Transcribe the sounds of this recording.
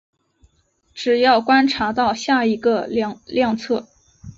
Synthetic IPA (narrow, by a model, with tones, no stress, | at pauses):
ʈ͡ʂɻ̩˨˩jɑ˥˩ʊkwa˥nʈ͡ʂʰa˧˥t̪ɑ˥˧ʊɕja˥˩i˧˥ɡə˧˥˧ljɑ˥˧ŋt͡sʰɤ˥˩